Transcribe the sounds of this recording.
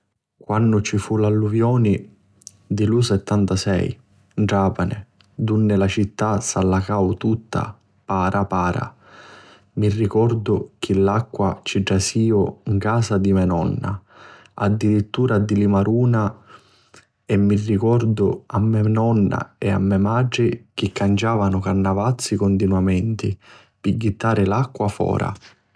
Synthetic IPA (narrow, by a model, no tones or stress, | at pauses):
kwanːʊt͡ʃifulalːuvjɔːni | d̪ilusɛt̪ːant̪asɛ̰j | d͡ʒaːpanɪ̰ | d̪unːɪlat͡ʃit̪ːasalːakawt̪ut̪ːa̰ | paːɾʔapaːɾa̰ | mirːikɔrd̪ʊk̟ʰɪlːakːwat͡ʃiɖːasiːʊiŋkaːsad̪imɛnɔnːa̰ | a̰d̪ːiɾit̪ːuːɾad̪ilimaɾʔuːna | ɛmːirːikɔrd̪ʊamːɛnɔnːa̰ɛa̰mːɛmad͡ʒɪk̟ɪkːand͡ʒaːvanʊkarnavat̪sːikʊnd̪inwamɛnt̪i | piɡːit̪ːaːɾɪlakːwafɔ̰ːɾʔa̰